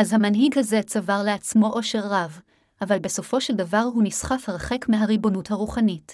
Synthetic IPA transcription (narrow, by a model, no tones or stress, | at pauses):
ʔazhamanɦiɡhaze̞t͡savaʁle̞at͡smo̞ʔo̞ʃe̞ʁːav | ʔavalbe̞so̞fo̞ʃe̞ldavaʁɦunisχafʁaχe̞kmeɦaʁibo̞nuthaʁuχanit